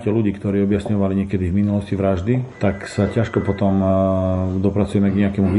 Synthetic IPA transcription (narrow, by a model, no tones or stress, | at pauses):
cɛluɟiːkt̪ɔɾiːɔbjasɲɔʋaliɲɛkɛd̪ivminulɔsciʋɾaʒd̪it̪aksacaʃkɔpɔt̪ɔm | d̪ɔpɾat͡sujɛmɛɡɲɛakɛmuʋi